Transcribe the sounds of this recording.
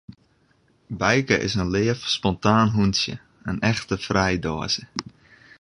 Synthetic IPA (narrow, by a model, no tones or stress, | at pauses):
bɛjkəʔɪ̰sənlɪːəfspɔntaːnɦunsjə̰ | ənɛxtəfrɛjdoəzə